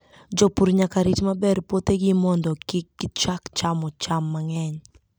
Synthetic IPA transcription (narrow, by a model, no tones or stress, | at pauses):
d͡ʒɔpuɾɲakaɾit͡ʃmabɛrpot̪eɡɪmɔndɔkɪkːɪt͡ʃakt͡ʃamɔt͡ʃamːaŋɛɲ